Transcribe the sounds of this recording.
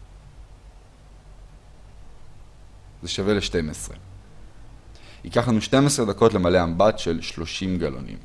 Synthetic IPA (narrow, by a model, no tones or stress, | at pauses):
ze̞ʃave̞leʃte̞mesʁḛ | hikaχlanuʃte̞mesʁe̞d̪ako̞tlemale̞ambatʃe̞lʃlo̞ʃimɡalo̰nḭm